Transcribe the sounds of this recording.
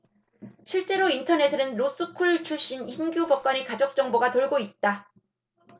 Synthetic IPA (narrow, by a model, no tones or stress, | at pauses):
ɕʰiɭt͡ɕ͈e̞ɾointʰʌne̞sʰɯnɯnɾos͈ɯkʰuɭt͡ɕʰuɕ͈inçinɡjobʌk̚k͈waɲikad͡ʑok̚t͡ɕ͈ʌŋboɡatoɭɡoit̚t͈a